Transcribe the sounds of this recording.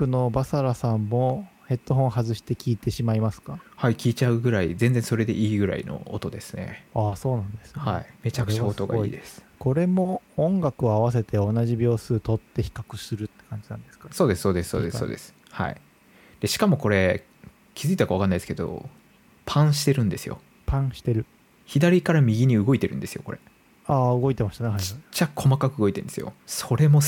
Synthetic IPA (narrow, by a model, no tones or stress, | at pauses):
kɯ̟no̞basaɾasãmːo̞he̞t̪ːo̞ɦõ̞ɰ̃ɦazɨɕi̥t̪e̞kʲiːt̪e̞ɕimaimasɨ̥kahaikʲiːt͡ɕaɯ̟ɡɯ̟ɾaizẽnd͡zẽ̞so̞ɾe̞d̪e̞ʔiːɡɯ̟ɾa̰ḭno̞̰ot̪o̞d̪e̞sɨne̞̰aːso̞ːnãnd̪e̞sɨ̥nhaime̞t͡ɕakɯ̟t͡ɕaot̪oɡa̰id̪esɨ̥ko̞ɾe̞mo̞õŋɡakɯ̟oaβas̬e̞t̪e̞o̞naʑibʲo̞ːsɨːt̪o̞t̪ːe̞çi̥kakɯ̟sɨɾɯ̟t̪ːekãɲ̟d͡ʑinãnd̪e̞sɨ̥kaso̞ːd̪e̞sɨ̥soːd̪esso̞ːd̪eso̰ːd̪e̞sɨ̥ | ha̰ḭ | d̪̥eɕi̥kamo̞ko̞ɾe̞ | kʲi̥zɨit̪akaβakanːaidesɨke̞d̪o̞̰ | pʰãɰ̃ɕi̥t̪e̞ɾɯ̟̃nd̪e̞sɨjo̰ | pãɰ̃ɕi̥t̪e̞ɾɯ̟ | çid̪aɾʲikaɾamʲiɡʲiɲ̟iɯ̟ɡo̞it̪e̞ɾɯ̟̃nd̪e̞sɨjo̞̰ko̞ɾe̞̰ | aːɯ̟ɡo̞it̪e̞maɕit̪aneɦait͡ɕːakʰomakakɯ̟ɯɡo̞it̪enesɨjo̞̰soɾe̞mo̞